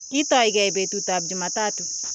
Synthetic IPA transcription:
ki˦tɔ˨iɡɛ˨jbe˨tutab̚d͡ʒu˨mataː˦tu

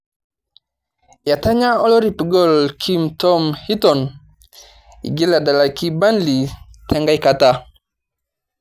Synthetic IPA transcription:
ja˨ta˦ɲa˦o˦lo˦ɾi˨pi˨ɡo˦˨lkʰi˦mtɔ˦mhi˦tɔ˨n | ḭ˨ɡi˦la˨da˨la˨ki˦ba˦nli˨tʰa˦ŋɡa˦jka˨ta˦

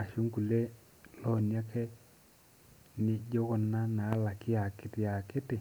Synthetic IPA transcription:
a˨ʃu˦ŋɡu˨le˦ | lɔ˦˨nja˦kɛ˦ | nɪ˨d͡ʒɔ˦ɣɔ˨nːa˦na˨˦la˨kɪ˦a˨kɪ˨tɪ˦a˨kɪ˦tɪ˨

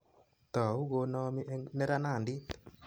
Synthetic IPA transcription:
t̪ɔ˨u˦ɣo˧nɔ˧mi˦ʔnɛ˦ɾa˦na˦˨ndi˦t̪

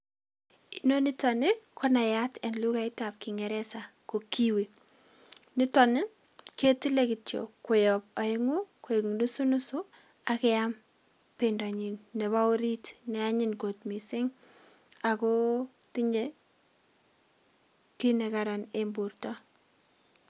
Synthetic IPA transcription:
ino˦ni˦tɔnɪ˦kʰɔ˦na˨jatɛ˨nlu˦ka˨ɪ˦tap̚kɪŋɛ˨ɾɛ˦sako˨ki˦wi˨ | nɪ˦tɔ˨nɪ˦ | ke˦ti˦le˦ki˨tjo̰˨ko˨jɔp̚a˨ɪŋu˦ko˨eŋdu˦su˦nʊ˦su˦ | akɛ˦am | penda˨ɲi˨nːɛ˨βa˦o˦ɾi˦tnɛ˨a˦ɲɪnko˨tmi˨sɪ˦ŋ | a˨ko˦ | tɪ˦ɲd͡ʒe | ki˦nekaɾanembu˨ɾtɔ˦

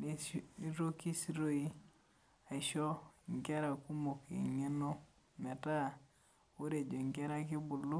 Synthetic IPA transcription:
n˦i˦ɾo˦ki˦si˦ɾo˦i˦ | a˨i˨ʃo˦˨ŋɡɛ˦ɾa˨ku˦mo˨kḛ˨ŋe˦no˦ | mɛ˨ta˦˨ | o˦ɾe˨d͡ʒo˨ŋɡɛ˦ɾa˦kɪ˦bu˨lu˦

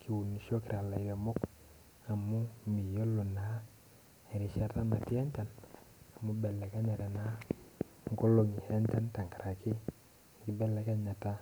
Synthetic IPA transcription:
kʰi˨wu˨ni˨ʃo˦ki˨ɾa˨la˨i˨ɾe˨mo˦k | a˨mu˦mi˨jo˦lo˨na˨˦ | e˨ɾi˨˦ʃa˦˨ta˦ma˨ti˦a˦nt͡ʃa˨na˨mu˦bɛ˨lɛ˨ka˦ɲa˨ta˨na˨˦ | ŋko˦lo˨ŋi˨he˦ɲt͡ʃa˦nta˨ŋka˨ɾʔa˨kɪ˦ | ŋ˦ki˦bɛ˦lɛ˨˦ka˦ɲa˨ta˦

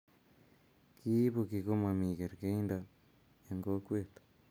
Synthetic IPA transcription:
ki˦βokiɣo˦ma˨mi˨ɣe˨ɾke˦i˦nda | jaŋɡo˦kwe˦t̪ḁ

